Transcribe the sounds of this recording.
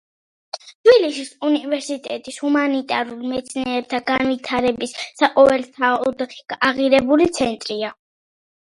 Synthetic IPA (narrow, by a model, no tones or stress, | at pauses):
t̪ʰbilisisunivɛɾsit̪ʼɛ̰t̪ʼishumanit̪ʼaɾulmɛt̪sʰnɛɛb̚t̪ʰaɡanvit̪ʰaɾɛbisːaqʼɔvɛlt̪ʰaɔd̪χʰiɡaʁiɾɛbulit̪sʰɛnt̪ʼɾia